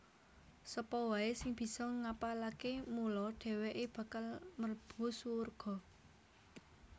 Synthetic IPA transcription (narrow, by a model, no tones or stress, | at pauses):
səpɔwaesɪŋb̥i̤sɔŋapalakemulɔɖ̥ɛ̤weʔeb̥ä̤kalmərb̥ṳswurɡ̥ɔ̤